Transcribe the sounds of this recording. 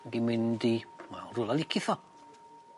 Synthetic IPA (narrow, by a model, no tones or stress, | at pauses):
ɡimɪndima̰rulˠalˠɪkʰɪθɔ